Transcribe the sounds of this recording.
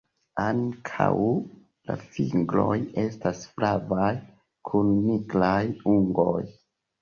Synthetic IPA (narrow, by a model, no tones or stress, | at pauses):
aŋkʰa̰w | la̰fiŋɡlo̞je̞stasfɾavaj | kʰunːiɡɾajuŋɡo̞j